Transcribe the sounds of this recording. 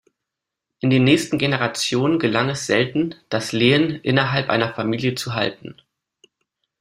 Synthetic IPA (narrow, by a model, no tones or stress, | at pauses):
ʔɪndeːnːɛːçstn̩ɡenəʁat͡sjoːnənɡəlaŋɛsz̥ɛltn̩d̥asleːənʔɪ̰nɐɦalpʔa̰ɪnɐfamiːljət͡suɦa̰ltn̩